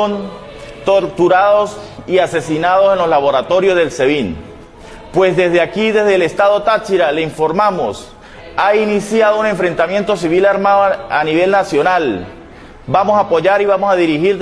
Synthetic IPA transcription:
n | t̪oɾt̪uɾaðo̞siase̞sinaðo̞se̞nlo̞slaβo̞ɾat̪o̞ɾjozðe̞lse̞βin | pwe̞zðe̞zðeakiðe̞zðeːle̞st̪aðo̞t̪at͡ʃiɾale̞iɱfo̞ɾmamo̞s | ainisjað̞oune̞ɱfɾe̞nt̪amje̞nt̪o̞siβilaɾmaðoaniβe̞lnasjo̞nal | bamosaːpo̞ʝaɾiβamo̞saðiɾixiɾ

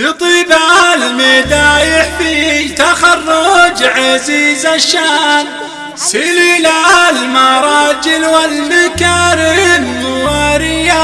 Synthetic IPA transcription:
fit̪ˤiːbalmed̪aːjɪħfit̪axɑrˤːʊd͡ʒʕaziːzaʃːaːn | sɪlilalmɑɾˤɑːd͡ʒɪlwalːɪkaɾɪnnʊwaɾɪja

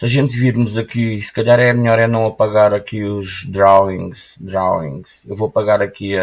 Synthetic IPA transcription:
sɐʒẽnt̪viɾmuzɐkisɨ̥kɐʎaɾɛmʎɔɾɛnɐ̃w̃ɐpɐɣaɾɐkiuʒd̪ɾawĩŋɡʃd̪ɾawḭ̃ŋɡʃewvopɐɣaɾɐkiɐ

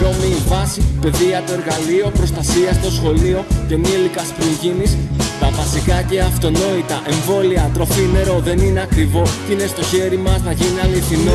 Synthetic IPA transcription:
ɾo̞miuvɐsipe̞ðiɐt̪o̞e̞ɾɣɐlio̞pɾo̞st̪ɐsiɐst̪o̞sxo̞lio̞ce̞milikɐspɾiɲʝinist̪ɐvɐsikɐce̞ɐft̪o̞no̞it̪ɐʔe̞ɱvo̞liɐt̪ɾo̞fine̞ɾo̞ðe̞nine̞ɐkɾivo̞t̪inest̪o̞çe̞ɾimɐsnɐʝiniɐliθino

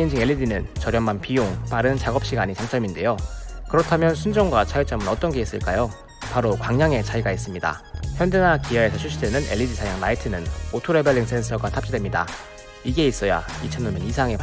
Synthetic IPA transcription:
ind͡ʑiŋe̞ɭːidinɯnt͡ɕʌɾjʌmmanpijoŋpaɾɯnt͡ɕaɡʌp̚ɕ͈iɡaɲit͡ɕaŋt͡ɕ͈ʌminde̞jokɯɾʌtʰamjʌnsʰund͡ʑʌŋɡwat͡ɕʰait͡ɕ͈ʌmɯnʌt͈ʌnɡe̞is͈ɯɭk͈ajo | paɾokwaŋɲaŋe̞t͡ɕaiɡais͈ɯmɲida̰çjʌndenakiwaesʰʌt͡ɕʰuɕʰidwe̞nɯne̞̰ʎːidisʰajaŋnaitʰɯnɯnotʰoɾe̞bʌʎːiŋs͈e̞nsʰʌɡatʰap̚t͡ɕ͈idwe̞mɲida̰ | iɡe̞is͈ʌja̰it͡ɕʰʌnːomɯnisʰaŋe̞p

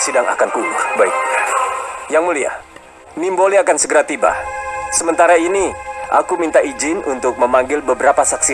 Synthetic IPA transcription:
sidaŋa̰kankunʊrbaɪk̚ | jaŋmulia̰ | nimboliakansəɡəɾat̪iba̰səmənt̪aɾainiʔa̰kumint̪aid͡ʒɪnṵnt̪ʊk̚məmaŋɡɪlbəbəɾapasaksi

